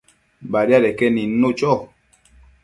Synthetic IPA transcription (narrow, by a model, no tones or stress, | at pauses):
baɾjaɾɛkɛninot͡ʃɔ